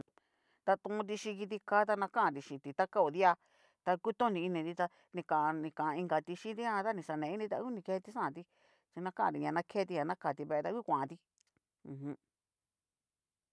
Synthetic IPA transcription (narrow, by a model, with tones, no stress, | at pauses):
t̪a˧t̪ũ˧t̪̬i˧ʃĩ˧ki˧t̪̬i˧kaː˦t̪̬a˧nã˧kã˦ʔã˧˨d̪i˧ʃĩ˨t̪i˨t̪a˦ka˦o˨ði˦a˧ | t̪a˧ku˦t̪õ˦nĩ˧i˧nĩ˧t̪i˧t̪a˧ | nĩ˧kã˨ʔã˧nĩ˧kã˨ʔã˧i˧ŋɡa˧t̪i˧ʃĩ˦t̪i˦ã˧˦t̪a˦nĩ˧˨ʂa˨nẽ˨i˦nĩ˧t̪a̰˧˦ku˦nĩ˧ke˧t̪i˧ʂã˦ã˨˧t̪i˧ | t͡ʃi˧nã˧kã˦ʔã˧˨d̪i˨ɲã˧nã˧kʰeː˦t̪i˧ɲã˨˧nã˦ka˨t̪i˧βe˧e˧t̪a˧˦kʷu˦kʷã˨ʔã˧t̪ĩ˧ | hũ˧